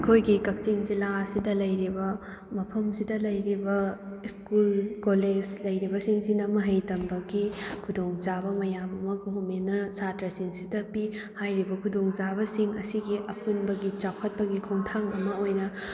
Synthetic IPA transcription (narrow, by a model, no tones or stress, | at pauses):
ɐkʰojɡikɐk̚t͡ʃiŋd͡ʒilaɐsidɐlɐjɾibɐ | mɐpʰɐmsidɐlɐjɾibɐiskulkoled͡ʒlɐjɾibɐsiŋsinɐmɐɦɐjtɐmbɐɡikʰudoŋzabɐmɐjamɐmɐɡuɦumenɐsatɾɐsiŋsidɐpi | hajɾibɐkʰudoŋd͡ʒabɐsiŋɐ̰siɡiʔɐpunbɐɡit͡ʃapʰɐt̚pɐɡikʰuŋtʰaŋɐmɐojnɐ